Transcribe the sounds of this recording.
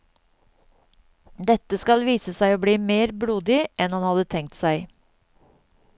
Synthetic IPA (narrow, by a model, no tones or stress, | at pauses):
d̪ɛt̪ːəskɑlʋiːsəsæɪoːbliːmeːɾbɽuːd̪ɪʔɛnhɑnhɑd̪ət̪ʰɛŋ̚t̪sæɪ